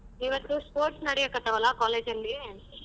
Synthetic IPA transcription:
iʋɐt̪ːuspoːɾʈsnɐɽɛjɐkɐt̪ɐʋɐlakaːleːd͡ʒɐnli

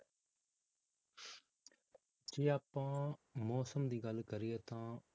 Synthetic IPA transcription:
d͡ʒeːaːpãːmoːsəmd̪iːɡəlkəɾɪeːt̪ãː

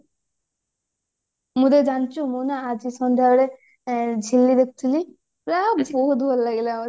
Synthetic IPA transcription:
mud̪ed͡ʒant͡ʃumunaad͡ʒisɔnd̪ʱaɽe | d͡ʒʱilːid̪ek̚t̪ʰili | ɾabɔɦut̪bʱɔllaɡela

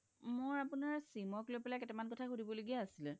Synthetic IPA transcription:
moɹapunaɹsimɔklojpɛlakɛtɛmankɔtʰaxudʱibɔloɡiaːsilɛ

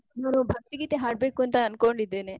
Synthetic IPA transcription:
maːnũbʱɐk̚t̪iɡit̪eɦaːʈ̚beːkunt̪aɐnkoːɳɖid̪eːne

